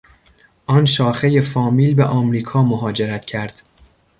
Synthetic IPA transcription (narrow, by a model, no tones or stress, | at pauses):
ʔɒːnʃɒːxeje̞fɒːmiːlbeʔɒmɾiːkʰɒːmoɦɒːd͡ʒeɾæt̪cʰæɾd̪̥